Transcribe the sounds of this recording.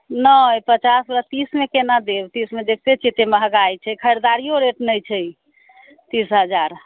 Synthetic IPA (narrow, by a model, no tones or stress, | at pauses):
nəpət͡ʃasɾət̪ismekenad̪ebt̪ismed͡ʒek̚ʰt̪et͡ʃʰit̪eməɦəɡajt͡ʃʰɛkʰəjɾd̪aɾijoɾeʈnəjt͡ʃʰɛj | t̪isɦəd͡ʒaɾ